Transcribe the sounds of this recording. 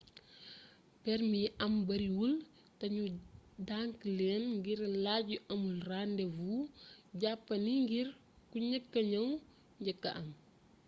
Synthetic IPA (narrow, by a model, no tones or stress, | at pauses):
pɛɾmiɐmbɐɾiwul | tɐɲudaŋklɛːnŋɡiɾlaɟuʔɐmulrandɛvuɟapːɐniŋɡir | kuɲɐkːɐɲɐw | ɲɟɐkːɐ̰ʔɐm